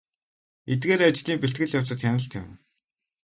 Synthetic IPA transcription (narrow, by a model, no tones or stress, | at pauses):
et̪ɡeːɾat͡ɕɮiːmpet̪̚ɡɘ̆ɮjaw̥t͡sə̆t̪xænʲə̆ɬt̪ʰa̰wɘ̆